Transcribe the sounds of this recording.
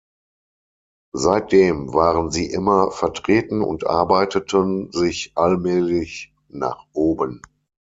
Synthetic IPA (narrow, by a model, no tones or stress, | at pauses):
zaɪt̚d̥eːmvaːʁənziːʔɪmɐfɛɐtʁ̥eːtn̩ʊ̰ntʔa̰ɐbaɪtətʰənzɪçʔalmɛːlɪç | na̰ːχʔoːbən